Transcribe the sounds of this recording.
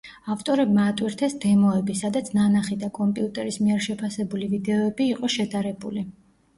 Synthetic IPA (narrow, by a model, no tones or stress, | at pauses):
aft̪ʼɔɾɛbmaːt̪ʼwiɾt̪ʰɛsd̪ɛmɔɛbisad̪at̪sʰnanaχid̪akʼɔmpʼiut̪ʼɛɾismiɛɾʃɛpʰasɛbulivid̪ɛɔɛbiːqʼɔʃɛd̪aɾɛbuli